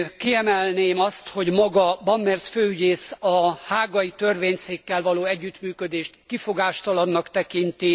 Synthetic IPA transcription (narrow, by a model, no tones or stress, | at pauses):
kiɛmɛlneːmɒst̪ho̞ɟmɒɡɒbɒmːɛrsføːyɟeːsɒhaːɡɒjit̪ø̞rveːɲseːkːɛlvɒloːɛɟːyt̪myːkød̪eːʃt̪kifo̞ɡaːʃt̪ɒlɒnːɒkt̪ɛkint̪i